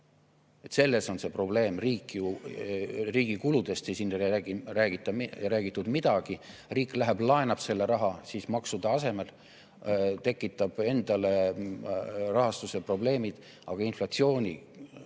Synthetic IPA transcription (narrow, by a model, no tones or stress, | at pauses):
et̪se̞lːe̞so̞nse̞pro̞ble̞ːmriːkːˑiju | riːɡ̥ikulud̪̥e̞st̪sesiːnːeæɡræːɡ̥it̪ːˑɑɾæːɡ̥it̪ːˑud̪̥mid̪̥ɑɡ̥iriːkːˑlæɦæb̥lɑenɑb̥se̞lːe̞ɾɑɦɑsiːsmɑksud̪ɑɑse̞me̞l | t̪e̞kːˑit̪ːˑɑb̥e̞nd̪ɑle̞ | rɑɦɑst̪use̞pro̞ble̞ːmid̪̥ | ɑɡ̥ɑinflɑt̪sio̞ːnʲḭ